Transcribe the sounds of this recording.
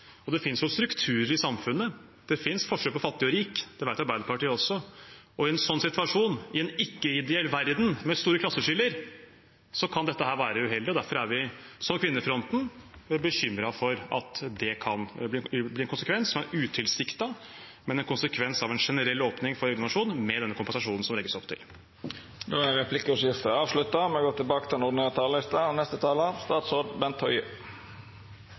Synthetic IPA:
ɔd̪ɛfɪnsjʊst̪ɾʉkt̪ʰʉːɾəɾɪsɑmfʉnːə | d̪̥ɛfɪnsfɔʂøːpʰɔfɑt̪ːɪɔɾiːkd̪̥ɛʋæɾt̪ɑɾbæɪd̪əɾpɑʈiːəɔsːɔɔɪɛnsɔnːsɪt̪ʋɑʂuːnɪɛnɪkːəɪd̪ɛɛlːʋæɾd̪n̩mɛst̪uːɾəkʰlɑsːəʂʏlːəɾ | sɔkʰɑnd̪ɛt̪ːəɦæːɾʋæːɾəʉɦɛld̪ɪɔd̪æɾfɔɾæɾʋɪsɔmkʰʋɪnːəfɾɔnt̪n̩bəçʏmːɾɑfɔɾɑ̰t̪d̪ɛkʰɑnblɪblɪɾɛnkʊnsəkʰʋɛnssɔmæɾʉːt̪ʰɪlsɪkt̪ɑmɛnɛnkʰʊnsəkʰʋɛnsɑʋɛnʂɛnəɾɛlːoːpnɪŋfɔɾɔɾɡnɑʂuːnmɛd̪ɛnːəkʊmpɛnsɑʂuːnn̩sɔmlɛɡəsɔpt̪ʰɪ̰l | d̪oːæɾɛpʰlɪkːɔsjɪft̪əɑːʋʂlʉt̪ːɑmɛɑɡoːt̪ʰɪlbɑːkə̥t̪ʰɪlɛnʊɖ̪ɪnøːɾt̪ʰɑːləlɪst̪ɑnɛst̪ət̪ʰɑːləɑʋst̪ɑːt̪sɔɖbɛnt̪hɔʏə

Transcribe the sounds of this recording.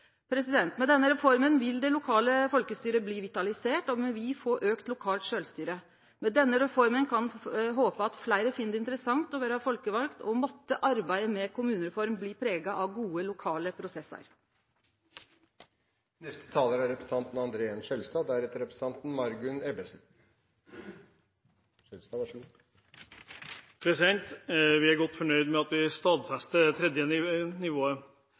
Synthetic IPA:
pʰɾɛsɪd̪ɛnt̪mɛd̪ɛnːəɾɛfɔɾmənʋɪld̪ɛlʊkʰɑːləfɔlkəst̪yːɾəbliːʋɪt̪ɑlɪseːʈɔmɛʋɪfoːʔøːkt̪lʊkʰɑːlt̪ʂøːlst̪yːɾə | mɛd̪ɛnːəɾɛfɔɾmənkʰɑnɦoːpəɑt̪flæɪɾəfɪːnd̪əɪnt̪əɾəsɑŋt̪ɔʋæːɾəhɑfɔlkəʋɑlkt̪ʰɔmɔt̪ːəʔɑɾbæɪəmɛkʰʊmʉːnəɾɛfɔɾmbliːpʰɾeːɡɑʔɑʋɡuːəlʊkʰɑːləpʰɾʊsɛsə̰ɾ | nɛst̪ə̥t̪ʰɑːləɾæɾɛpɾəsn̩t̪ɑnt̪n̩ɑnd̪ɾeːɛnsɛlst̪ɑːd̪æɾhɛt̪əɾɛpɾəs̩ɑnt̪n̩mɑɾɡʉnɛbəsn̩ | ɛlst̪ɑ | pʰɾɛsɪd̪ɛnt̪ʋɪæɾɡɔt̪ːfɔɳœʏd̪mɛɑt̪ʋɪst̪ɑːd̪fæst̪ət̪ʰɾɛd̪jəɪnɪʋoːə

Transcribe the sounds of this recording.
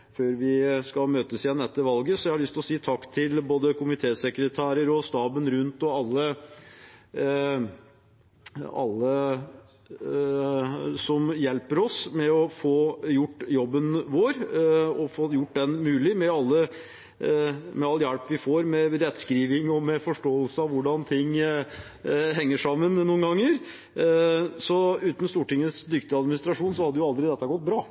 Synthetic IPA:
føːɾʋɪskɑlmøːt̪əsjɛnd̪ɛt̪ːəʋɑlɡəsɔæɪhɑɾɭʏst̪lɔsiːt̪ʰɑkːt̪ʰɪlboːd̪əkʰʊmɪt̪ʰeːsɛkɾət̪ʰæːɾəɾɔst̪ɑːbənɾʉnt̪ɔɑlːə | ɑ̰lːə | sɔmjɛlpəɾɔsmɛɔfoːjʊʈːjɔbːənʋoːɾɔfoːjʊʈ̚ːd̪ɛnmʉːlɪmɛɑlːə | mɛɑlːjæɽpʋɪfoːɾmɛɾɛt̪ːskɾiːʋɪŋɔmɛfɔʂʈoːəlsəɑʋʊɖɑnt̪ʰɪŋː | ɦɛŋːəʂɑmːənnuːənɡɑŋːəɾ | sɔʉːt̪ən̩st̪uːʈɪŋːətsd̪ʏkt̪ɪɑd̪mɪnɪst̪ɾɑʂuːnsɔhɑd̪ːəjʊɑld̪ɾɪd̪ɛt̪ːəɡɔt̪̚bɾɑː

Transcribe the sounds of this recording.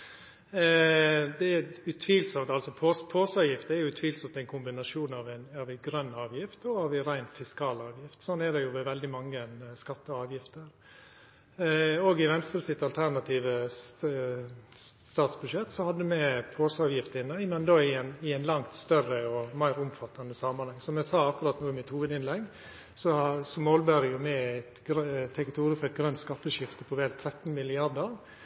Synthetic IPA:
d̪ɛɛʉt̪ʰʋiːlsɔmt̪ɑlsɔpʰospʰoːsɑːʋjɪft̪əɛɾjʊʉːt̪ʰʋiːlsɔmt̪ɛɪnkʰʊmbɪnɑʂuːnɑʋæɪnɑʋɛɡɾœnːɑːʋjɪft̪ɔɑːʋɛɾæɪnfɪskɑːlɑːʋjɪft̪sɔnːɛd̪ɛjʊʋɛʋɛld̪ɪmɑŋːənskɑt̪ːəɑːʋjɪft̪əɾ | oːɡɪʋɛnst̪ɾəsɪt̪ːɑlt̪ʰæɾnɑt̪ʰiːʋə | st̪ɑːt̪sbʉʂɛt̪ːsɔhɑd̪ːəmɛpʰoːsəɑːʋjɪft̪əɪnːəɪmɛnd̪oːɪnɪæɪnlɑŋt̪st̪œrəɔmæɪɾʊmfɑt̪ːɑnəsɑmɑnhɑŋːsɔmɛsɑːɑkːʊɾɑt̪nuːɪmɪt̪huːʋəd̪ɪnlɛɡ | sɔsɔmoːlbæɾəjʊmɛæɪt̪ɡɾt̪ʰːɛkɪt̪ʰuːɾəfɔɾɛt̪̚ɡɾœnt̪skɑt̪ːəʃɪft̪əpʰɔʋeːlt̪ʰɾɛt̪ːn̩mɪlɪɑɾd̪əɾ

